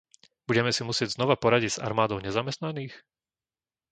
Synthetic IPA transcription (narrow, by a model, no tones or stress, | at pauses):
b̥uɟɛmɛsimusɪɛɟznɔʋapɔɾaɟiɟz̥a̰ɾmaːd̪ɔʊɲɛzamɛst̪naniːx